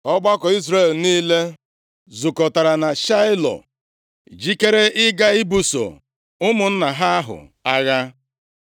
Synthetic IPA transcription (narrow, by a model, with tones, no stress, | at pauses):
ɔ˦ɡ͡ba˦kɔ˨i˦zɾe˦˨lniː˦le˦ | zu˨kɔ˨ta˨ɾa˨na˨ʃa˦ɪ˦lɔ̰˨ | d͡ʒi˦ke˦ɾe˦ʔɪ˦ɡa˦i˦bu˨so̰˨ | ʊ˦mʊ˨n̩˦na˨ɦa˦a˦ɦʊ̰˨a˦ɣa˦